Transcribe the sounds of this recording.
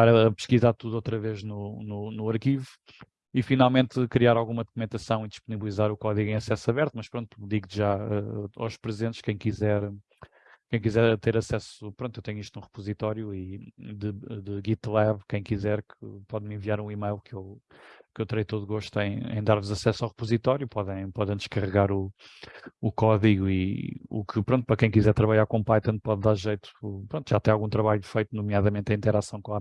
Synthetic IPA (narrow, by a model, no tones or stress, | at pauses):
aɾɐɐpɨʃkizaɾt̪uðuowt̪ɾɐveʒnununuɐɾkivu | ifinalˠmẽnt̪kɾiaɾalˠɣumɐðukumẽnt̪ɐsɐ̃w̃id̪iʃpuniβlˠizaɾukɔðiɣẽj̃ɐsɛsɐβɛɾt̪umɐʃpɾõnt̪ud̪iɣʒaɛa̰wʃpɾɨzẽnt̪ʃkɐ̃j̃kizɛɾ | kɐ̃j̃kizɛɾt̪eɾɐsɛsupɾõnt̪ewt̪ɛɲiʃt̪nũʁɨpuzit̪ɔɾjuiðɨðɨɣit̪lˠɛβkɐ̃j̃kizɛɾkɨpɔðmẽviaɾũimɐjlˠkʰew | kewt̪ɨɾɐjt̪oðuɣoʃt̪uẽj̃ḛ̃j̃d̪aɾvuzɐsɛsawʁpuzit̪ɔɾjupɔðɐ̃j̃pɔðɐ̃j̃d̪ɨʃkɐʁɨɣaɾu | ukɔðiɣuiṵkʰɨpɾõnt̪̚pɾɐkɐ̃j̃kizɛɾt̪ɾɐβɐʎaɾkõpajt̪ɐ̃npɔðːaɾʒɐjt̪u̥pɾõnt̪ʒat̪ɛ̃j̃alˠɣũt̪ɾɐβaʎufɐjt̪unumjaðɐmẽnt̪ɐ̃ĩnt̪ɛɾasɐ̃w̃kõa